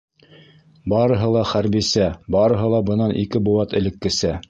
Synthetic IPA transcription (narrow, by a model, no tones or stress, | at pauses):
bɑɾɤ̆ɦɤlˠɑχæɾbisæbɑɾɤ̆ɦɤ̆lˠɑbɤ̆nɑnʔikɘbuɑt̪ɘ̆lɘ̆kːɘ̆sæ